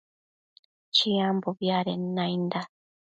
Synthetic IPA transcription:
t͡ʃijamboβjaɾenːajnd̪a

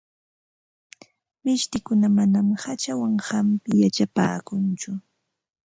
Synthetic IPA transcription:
mɪʃt̪ɪkʊnamanamhat͡ʃawaŋhampɪjat͡ʃapa̰ːkʊnt͡ʃʊ

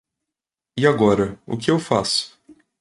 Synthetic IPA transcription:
ɪaɡɔɾɐʊ̰kɪewfa̰sʊ̥

